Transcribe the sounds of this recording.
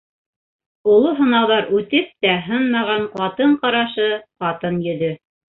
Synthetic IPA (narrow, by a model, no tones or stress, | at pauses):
ulˠoɦɤ̆nɑwðɑɾʉt̪ɘp̚t̪æɦɤnmɑʁɑɴqɑt̪ɤɴqɑɾɑʃɤqɑt̪ɤnjɵ̆ðɵ